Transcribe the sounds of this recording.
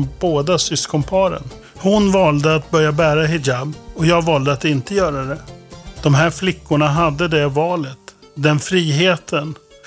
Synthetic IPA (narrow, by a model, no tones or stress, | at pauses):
mboːd̪asʏskɔmpʰɑːɾə̰n | hʊnvɑːld̪əat̪̚bœɾjabæːɾaɦɪd͡ʒabɔjɑːɡvɑːld̪əat̪ɪnt̪əjœːɾad̪ɛd̪̥ɔmɦæːɾflɪkːʊɳaɦad̪ːəd̪ɛvɑːlət̪d̪ɛnfɾiːɦeːt̪ʰən